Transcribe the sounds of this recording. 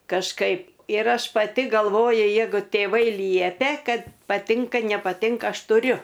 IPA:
kɐʃˈkɐɪp ɪr ˈɐʃ pɐˈtʲɪ ɡɐlˠˈʋoːjʊ ˈjɛɪɡʊ tʲeːˈʋɐɪ ˈlʲiɛpʲɛ ˈkɐt pɐˈtʲɪŋkɐ nʲɛpɐˈtʲɪŋkɐ ˈɐʃ tʊˈrʲʊ

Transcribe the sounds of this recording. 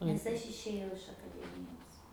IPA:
nʲɛs ˈɐʃ ɪʃʲeːˈjɛʊ ɪʃ ɐkɐˈdʲæːmʲɪjoːs

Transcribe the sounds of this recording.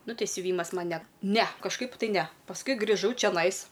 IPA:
ˈnʊ ˈtʲɛɪ sʲʊˈʋʲiːmɐs ˈmɐn nʲɛ nʲɛ kɐʃˈkɐɪp tɐɪ ˈnʲɛ pɐsˈkʊɪ ɡrʲɪˈʒɐʊ t͡ʃʲɛˈnɐɪs

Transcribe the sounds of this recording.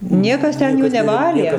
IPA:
ˈnʲiɛkɐs ˈtʲɛn ˈjuː nʲɛˈʋɑːlʲeː

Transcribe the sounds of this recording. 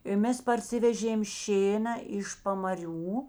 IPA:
ɪ ˈmʲɛs pɐrʲˈsʲɪʋʲɛʒʲeːm ˈʃʲeːnɐ ɪʃ pɐmɐˈrʲuː

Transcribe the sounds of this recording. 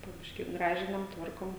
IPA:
poː ˈbʲɪʃʲkʲiː ˈɡrɑːʒʲɪnɐm ˈtʋɐrkoːm

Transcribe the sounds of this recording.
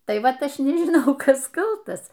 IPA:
ˈtɐɪ ˈʋɐt ˈɐʃ nʲɪʒʲɪˈnɐʊ ˈkɐs ˈkɐlˠtɐs

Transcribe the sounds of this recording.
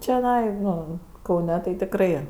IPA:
t͡ʃʲoːˈnɐɪ ˈnoː kɐʊˈnʲɛ tɐɪ tʲɪkˈrɐɪ

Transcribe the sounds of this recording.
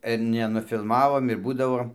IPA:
ɪr nʲɛnʊfʲɪlˠˈmɑːʋoːm ɪr ˈbuːdɐʋoː

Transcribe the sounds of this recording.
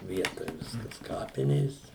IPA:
ˈʋʲiɛtoːj ˈʋʲɪskɐs ˈkɑːpʲɪnʲeːs

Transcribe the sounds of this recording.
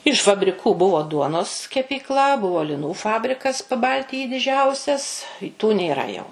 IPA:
ɪʃ fɐbʲrʲɪˈkuː ˈbʊʋoː ˈduɔnoːs kʲɛpʲiːkˈlˠɐ ˈbʊʋoː lʲɪˈnuː ˈfɑːbʲrʲɪkɐs pɐˈbɐlʲtʲɪjiː dʲɪˈd͡ʒʲɛʊsʲɛs tuː nʲeːˈrɐ jɛʊ

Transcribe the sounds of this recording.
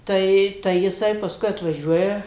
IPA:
ˈtɐɪ tɐɪ jɪˈsɐɪ pɐsˈkʊɪ ɐtʋɐˈʒʲuɔjɛ

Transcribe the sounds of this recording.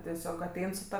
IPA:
tʲɛˈsʲoːk ɐˈtʲɛɪn sʊ ˈtɐ

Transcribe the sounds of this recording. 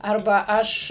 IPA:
ˈɐrbɐ ˈɐʃ

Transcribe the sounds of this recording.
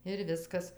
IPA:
ɪr ˈʋʲɪskɐs

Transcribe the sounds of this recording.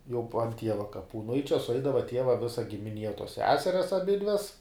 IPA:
jɛʊ puɔ ˈtʲiɛʋɐ kɐˈpuː nʊ ɪ t͡ʃʲɛ sʊˈɐɪdɐʋɐ ˈtʲiɛʋɐ ˈʋʲɪsɐ ɡʲɪmʲɪˈnʲiɛ tuɔs ˈsʲæːsʲɛrʲɛs ɐˈbʲɪdʲʋʲɛs

